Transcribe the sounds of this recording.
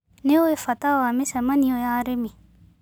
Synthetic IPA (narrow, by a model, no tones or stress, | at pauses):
neoefat̪awamesamaniojaɾemi